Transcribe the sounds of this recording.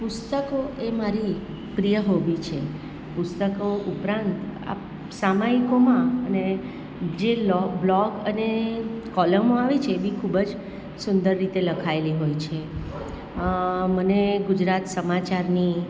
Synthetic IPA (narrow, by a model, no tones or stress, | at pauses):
pʊst̪əkoʔemaɾi | pɾijəɦobit͡ʃʰe | pʊst̪əkoʔupɾãnt̪a̰ | samaikomãəne | d͡ʒelɔblɔkənekɔləmoaʋit͡ʃʰeːbʱikʰubəd͡ʒ | sʊnd̪əɾːit̪eləkʰaeliɦojt͡ʃʰe | məneɡʊd͡ʒɾat̪səmat͡ʃaɾni